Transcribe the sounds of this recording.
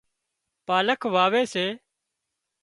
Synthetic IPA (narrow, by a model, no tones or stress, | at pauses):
paːləkʰʋaːʋeːseː